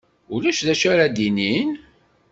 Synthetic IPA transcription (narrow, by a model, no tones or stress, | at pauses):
ulæʃðæʃæɾæd̪inin